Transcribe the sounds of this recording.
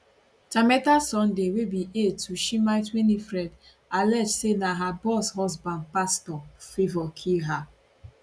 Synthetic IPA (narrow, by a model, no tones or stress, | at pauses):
tamɛtasɔ̃ndewebiʔetuʃimaɪtwenifɾɛd | alɛd͡ʒsenaɦabɔshɔzbãnd̚pastɔfivɔkʰiɦa